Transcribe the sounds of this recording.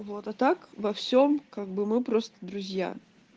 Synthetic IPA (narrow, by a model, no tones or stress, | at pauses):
vo̞t̪at̪akvɐfsʲomkaɡ̚bɨmɨpɾo̞st̪əd̪ɾʊzʲja̰